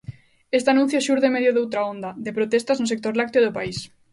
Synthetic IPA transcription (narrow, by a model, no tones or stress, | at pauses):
est̪anũn̟θjoʃuɾðemeðjoðowt̪ɾaond̪ɐd̪epɾot̪est̪aznos̬ek̚t̪oɾlak̚t̪joðopais